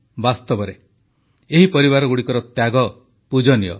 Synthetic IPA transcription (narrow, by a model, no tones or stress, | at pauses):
bast̪ɔbɔɾe | eɦipɔɾiβaɾɔɡuɽikɔɾɔt̪jaɡɔ | pud͡ʒɔnijɔ̰